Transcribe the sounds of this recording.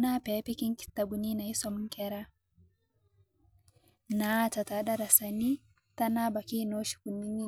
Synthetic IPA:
na˦pe˨˦pi˦ki˦ŋki̥˦tːa˨bu˨ni˦na˨i˦sɔ˦m˦ŋkʲɛ˦ɾa˦ | na˦ta˨ta˨˦ɗa˦ɾa˨sa˨ni˦ | ta˦na˦ba˨ki˦˨no˦ʃi̥˨ku˨nːi˦ni˦

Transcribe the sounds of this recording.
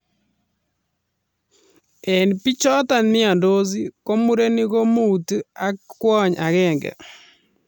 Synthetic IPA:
ɛ˨npi˦t͡ʃɔ˦ta˨nɪ˦a˨ndo˦z̬i˦ko˦mu˦ɾe˦ni˦ɣo˦mo˦u˨ta˦kkwɔ˦˨ɲa˨ɣɛ˦˨ŋɡɛ̰˨

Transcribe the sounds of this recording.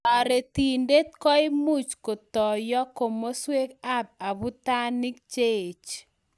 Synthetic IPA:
a˨ɾe˨t̪i˨nde˦t̪̚kɔ˦ɪ˦mu˦t͡ʃko˨tɔ˨jɔ˦ko˨mo˦swe˦ka˦p̚a˨βʊ˦ta˦nɪ˦k̚t͡ʃe˦˨t͡ʃ

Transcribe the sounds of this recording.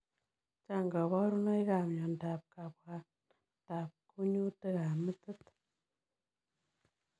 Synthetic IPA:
t͡ʃa˦ŋɡa˨βa˦ɾu˦na˦jɡa˨mɲa˨nda˨p̚ka˨pa˧ | ta˨p̚ku˦ɲu˦tə˦ɣa˨mə˦t̪ə˦t̪

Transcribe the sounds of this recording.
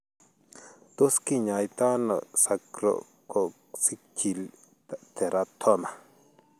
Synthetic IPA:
t̪u˦ski˦ɲã˨jt̪a˦no̰˨ʔsa˧kɾo̰˨ | ko˨ | si˦kʰi˨l | t̪ʰe˨ɾa˧t̪ʰo˦na˨

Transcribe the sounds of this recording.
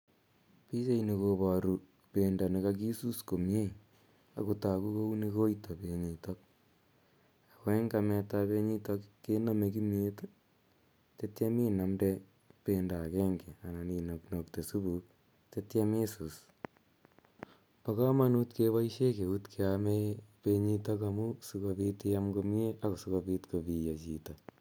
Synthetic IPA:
pi˦se˦ini˨koba˨ɾu˨ | penda˨nikak̬i˦su˦sko˨mje˦ | a̰˨kuta˨ku˦ko˦uni˧ko˦ito˨pe˨ɲi˨tok̚ | a˨kwɛ˦ŋkamɛ˧ta˧pe˧ɲi˦to˧kːename˧k̬i˦mje˦t | tetja˦mi˦na˨mdɛ˧ | penda˨kɛ˦ŋɡɛ˨a˨na˨nino˨kno˨kte˨su˦bu˨ | te˦tja˦me˦su˨s | pa˨ka˦ma˦nutkeβa˦iʃe˦ke˨u˦tkʰeamepeɲito˦kamu˦su˧kopi˦teamɡomje˦ʔako˨su˦kopiː˦tko˨pi˨ja˨t͡ʃi˨ta˨

